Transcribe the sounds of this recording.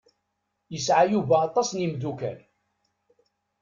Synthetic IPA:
jəsʕajuvæɑt̪ˤːɑsˤnimd̪ukæ̰n

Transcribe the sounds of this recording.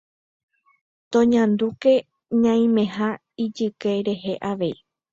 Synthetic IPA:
t̪õɲãnd̪uke̞ | ɲãĩmẽ̞ɦa | id͡ʒɨkeɾe̞ɦe̞ʔaʋe̞i

